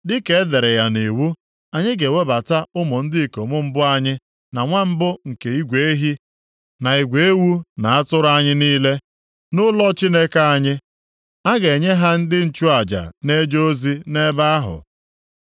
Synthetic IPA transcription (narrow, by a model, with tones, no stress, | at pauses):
dɪ˦ke˦e˦ðe˨ɾe˨ja˨ne˨wu˦ | a˨ɲɪ˦ɡe˨we˦ba˨ta˦ʊ˦mʊ˨n̩˦dɪ˦i˨ko˨mʊ˦m̩˦bʊ˦a˦ɲɪ˦ | na˨ŋʷa˦m̩˦bʊ˦ŋ̩˨ke˨i˦ɡʷe˨e˦ɦi˦ | na˨i˨ɡʷe˨e˦wu˦na˨a˦tʊ˦ɾa˦ɲɪ˦niː˦le˦ | nʊ˦lɔ˦t͡ʃi˦ne˦ka˦a˦ɲɪ˦ | a˦ɡe˨ɲe˦ɦa˦n̩˦dɪ˦n̩˨t͡ʃu˦a˨d͡ʒa̰˨ne˦d͡ʒo˦o˦zi˦ne˦ba˦ɦʊ̰˨